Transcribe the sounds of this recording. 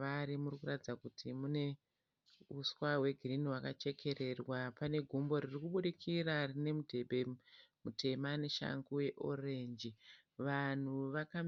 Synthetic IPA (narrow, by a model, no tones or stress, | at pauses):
aɾimurikuratid͡zakutʰimune̞ | uswawe̞ɡʱiriniɦwakat͡ʃe̞kʰe̞ɾe̞rwapane̞ɡʱumbo̞ɾirikuɓuɗikʰirarine̞mudʱe̞ɓemutʰe̞mane̞ʃa̰ŋɡuje̞ʔo̞re̞nd͡ʒi | ʋan̤uʋakam